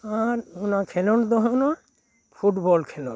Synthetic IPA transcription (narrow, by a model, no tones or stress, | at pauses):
aɾunakʰɛlɔnd̪ɔɦɔnɔ | pʰuʈbɔlkʰɛlɔ̰n